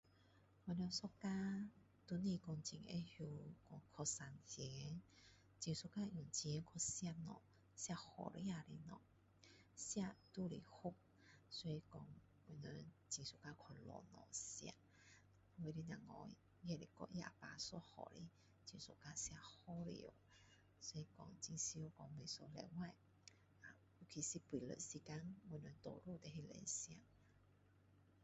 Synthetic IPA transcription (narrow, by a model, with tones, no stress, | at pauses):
wɛ˧˨nɔ˧sɔ˦ka˦ | t̪u˧nĩ˧˨kɔ˧˩ŋt͡ɕi˧˨ŋḛ˦hju˧kɔ˧ŋkʰɔ˧sa˨˧nhɛ˨˦ | t͡ɕĩ˧ŋsu˧ka˦ʔjũ˨˩ŋt͡ɕi˧ɛ˧˦kʰɔ˧sja˧˨nɔ̰˨ | sja˧hɔ̰˨ɾḭ˦a˧˨li˧nɔ˨ | sja˧t̪u˥˦lḭ˨˩hu˦k̚ | sɔ˧i˧kɔ˧ŋ | wɛ˧˨nə˧t͡ɕi˧˨su˧ka˦˧kʰɔ˧lɔ̰˨nɔ̰̃˨sja̰˧ | we˧li˦nã˨ŋɔ̰̃˧˨˦ | jɛ˧˨li˧˨kɔ̰˧ʔja̰˧˨pa˧sɔ˧˦hɔ̰˨ɾḭ˦ | t͡ɕi˧nsṵ˨ka˧sja˧hɔ˦lḭ˧˨ə˨˦ | sɔ˧i˧kɔ˧˩ŋt͡ɕi˧ŋsi˧˦kɔ˧ŋme˨˩sɔ˧lɛ̰˧˨wa˧˨j | a˨ | u˧˩kʰi˧˩si˧pwi˨lə̰˧˨si˧ka˦nwu˧˨nə˧nt̪ɔ˨ɾu˧˨t̪ɛ˨ɦi˧lɛ̰˧˦sja˧˨ʔ